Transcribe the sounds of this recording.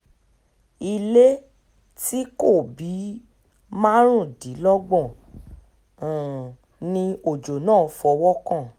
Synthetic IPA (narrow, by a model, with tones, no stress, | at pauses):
i˧le˦ | ti˦ko˦˨bi˨˦ | mã˦ɾ̃ũ˦˨di˨˦lɔ˦ɡ͡bɔ̃˦˨ | nĩ˧o˨d͡ʒo˨nãː˦˨˧fɔ˧wɔ˦kã˦˨